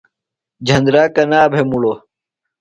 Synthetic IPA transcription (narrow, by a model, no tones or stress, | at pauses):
d͡ʑʱɐnd̪ɾaːkɐnaːbʱemuɭoː